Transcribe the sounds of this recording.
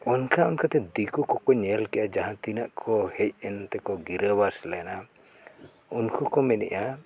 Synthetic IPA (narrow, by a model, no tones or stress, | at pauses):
ɔnkʰaunkat̪ɛd̪ikukɔkɔɲɛlkɛʔad͡ʒaɦãt̪inaʔkʰɔhɛc̚ɛnt̪ɛkɔɡiɾəwaslɛna | unkʰukɔmɛnɛ̰ʔa